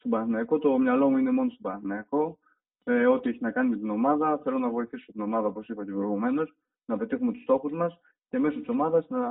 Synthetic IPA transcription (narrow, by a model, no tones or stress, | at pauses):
st̪obɐɾθinɐɐko̞t̪o̞mɲɐlo̞muine̞mo̞nost̪obɐɾɐθnɐɐko̞ | eo̞t̪ieçinɐkɐnime̞t̪ino̞mɐðɐθe̞lo̞nɐvo̞iθisot̪ino̞mɐðɐoposipɐcepɾoiɣume̞no̞s | nɐpe̞t̪ixume̞t̪u̥st̪o̞xuzmɐs | ce̞me̞sot̪i̥so̞mɐðɐsnɐ